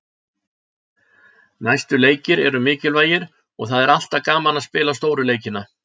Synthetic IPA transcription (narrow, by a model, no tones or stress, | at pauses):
najst̪ʏleːjcɪɾɛɾʏmɪːcɪlvaːjɪɾ̥ | ɔɣθaðɛɾal̥t̪akaːmanaðspɪːlast̪oːwɾʏleːjcɪna